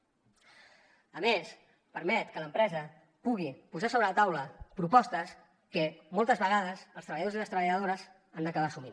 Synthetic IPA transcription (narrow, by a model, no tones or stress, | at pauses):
əmes | pəɾmɛt̪kələmpɾɛzə | puɣ̞ipuzasoβɾələt̪awləpɾupɔst̪əs | kəmɔlˠt̪əzβəɣ̞að̞əzəlˠst̪ɾəβəʎəðoziləst̪ɾəβəʎəðoɾəz | and̪əkəβasumin